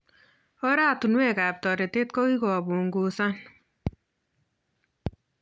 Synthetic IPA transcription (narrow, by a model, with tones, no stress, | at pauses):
ɔ˦ɾa˦tu˨nwe˦˨ka˨p̚tɔ˨ɾe˨te˦t̚kɔ˦ki˦kɔ˨bu˨ŋɡu˨sa˦n